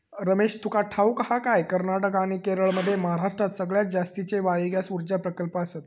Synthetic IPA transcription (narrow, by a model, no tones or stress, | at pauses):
ɾəmeɕt̪ʰukaʈʰaukəɦakajkəɾnaʈəkaɽ̃ikeɾəɭməd̪ʱːjeməɦaɾaʂʈɾat̪səɡɭjak̚d͡zast̪it͡ɕeʋaɭiɡjasuɾd͡ʑapɾəkəlpəəsat̪